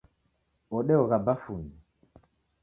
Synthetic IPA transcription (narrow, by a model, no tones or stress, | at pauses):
ɔɗɛɔɣabafuni